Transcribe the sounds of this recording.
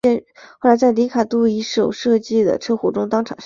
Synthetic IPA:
ɛ˥˧xo˥˩ʊla˧˥t͡sa˥˩ɪli˧˥kʰa˨˩t̪u˥˩i˧˥ʂo˨˩ʊʂɤ˥˧t͡ɕi˥˩d̪ə̰˩ʈ͡ʂʰɤ˥xwɔ˧˥˩ʈ͡ʂʊ˥ŋt̪ɑ˥ŋʈ͡ʂʰɑ̰˨˩˦ŋʂ

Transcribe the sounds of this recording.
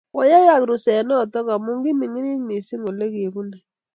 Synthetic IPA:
wɔ˦ja˦ja˦˨kɾu˨sɛ˨nɔ˦˨tɔ˦ka˨mu˦ŋɡi˦mi˨ŋi˦ni˦tmi˨si˦ŋo˨le˦ke˨βu˦nɛ˨

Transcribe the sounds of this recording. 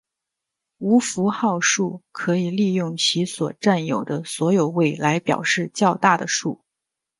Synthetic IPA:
u˧˥fu˧˥xɑ˥˧ʊʂu˥˩kʰɤ˧˥i˨˩li˥˧jʊ˥˩ŋt͡ɕʰi˧˥swɔ˨˩ʈ͡ʂa˥˩njo˨˩ʊd̪ə˦swɔ˧˥jo˨˩ʊwe˥˩ɪla˧˥ɪpjɑ̰˨˩ʊʂɻ̩˥˧t͡ɕjɑ˥˧ʊt̪a˥˩d̪ə˩ʂu˥˩

